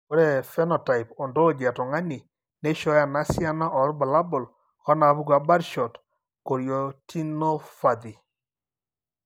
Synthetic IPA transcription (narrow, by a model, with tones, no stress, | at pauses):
ko˦ɾɛ˨fɛ˦nɔ˨ta˨ipɔ˨ndo˦o˨d͡ʒa˨tɔ˨ŋa˦ni˨ | ne˦ʃɔ˦ja˨na˨˦sja˦na˦ʔɔ˨ɾba˨la˦bɔ˨l | ɔ˦na˨˦βu˦kwa˨ba˦ɾʃɔ˨t | ko˨ɾjɔ˨tʰi˦nɔ˦fa˨ði˨